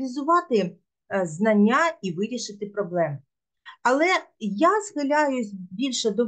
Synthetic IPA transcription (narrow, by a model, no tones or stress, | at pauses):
lʲizʊʋɑt̪ɪ | znɐnʲːaiʋɪɾʲiʃɪt̪ɪpɾɔblˠɛm | ɐlˠɛjazɣɪlʲajʊsʲbʲilʲʃɛd̪ɔ